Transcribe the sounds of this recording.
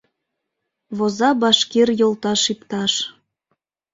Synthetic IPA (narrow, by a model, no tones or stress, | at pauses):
βozɑbɑʃkerjolt̪ɑʃipt̪ɑʃ